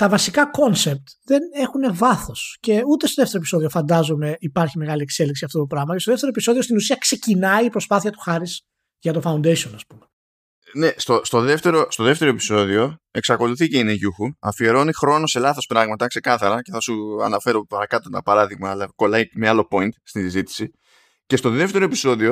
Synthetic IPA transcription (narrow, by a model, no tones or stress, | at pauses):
t̪ɐvɐsikɐko̞nse̞p̚t̪ðe̞ne̞xune̞vɐθo̞sce̞ut̪est̪o̞ðe̞ft̪eɾopiso̞ðiofɐnd̪ɐzome̞ipɐɾçime̞ɣɐlie̞kse̞liksiɐft̪o̞t̪opɾɐɣmɐcest̪oðeft̪eoepisoðio̞st̪inusiɐkse̞cinɐipɾo̞spɐθiɐt̪u̥xɐɾis | ʝɐt̪o̞fɐund̪esionɐspume | ne̞st̪ost̪o̞ðe̞ft̪e̞ɾo̞st̪o̞ðe̞ft̪e̞ɾo̞e̞pi̥so̞ðio̞e̞ksɐko̞luθiceineʝuxuɐfie̞ɾo̞nixɾo̞no̞se̞lɐθo̞spɾɐɣmɐt̪ɐkse̞kɐθɐɾɐce̞θɐsuɐ̰nɐfe̞ɾo̞pɐɾɐkɐt̪ot̪ɐ̰pɐɾɐðiɣmɐːlɐko̞lɐjkmealo̞po̞int̪st̪isizit̪i̥si | ce̞st̪o̞ðe̞ft̪e̞ɾo̞epi̥so̞ðio̞